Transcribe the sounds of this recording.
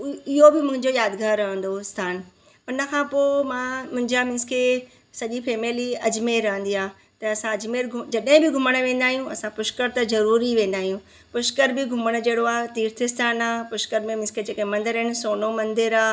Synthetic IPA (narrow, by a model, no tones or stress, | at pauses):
ɪɦobɪmʊ̃ɦɪ̃ɲd͡ʑojaːd̪ɡʱaːɾɐɦə̃n̆d̪oɪst̪ʰaːn | ʊnə̆kʰãːpoːmãːmʊ̃ɦɪ̃ɲd͡ʑamɪ̃nskʰe | sɐʄifeːmeːliɐd͡ʑmeːɾɐɦə̃nd̪iaː | t̪ɐɐsãɐd͡ʑmeːɾɡʱʊd͡ʑɐɗɦɪ̃bɪɡʱʊməɽ̃ʋẽːn̆d̪aːɦijũɐsãpʊʃkəɾt̪ɐzɐɾuːɾiʋẽːn̆d̪aːɦijũ | pʊʃkəɾbɪɡʱʊməɽ̃ə̆d͡ʑeːɽoaːt̪iːɾt̪ʰɪst̪ʰaːnaːpʊʃkəɾmẽmɪ̃nskʰed͡ʑeːkmɐ̃nd̪ɪɾɦɪnɪ̆soːnomɐ̃nd̪ɪɾaː